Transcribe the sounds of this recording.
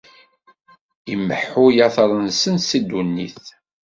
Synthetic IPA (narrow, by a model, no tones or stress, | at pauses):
imːəħʊjɑθɾˤənsənsid̪ːunːḭθ